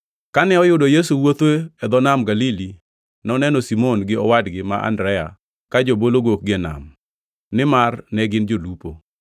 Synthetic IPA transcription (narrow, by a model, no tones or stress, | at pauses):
kanɛɔjʊdɔjes̬uwot̪weɛd̪ɔnamɡalili | nɔnɛnɔsimonɡɪɔwadɡɪma̰ʔa̰ndɾɛja̰ | kad͡ʒoboloɡok̚ɡɪɛna̰m | nɪmarnɛɡɪnd͡ʒolupo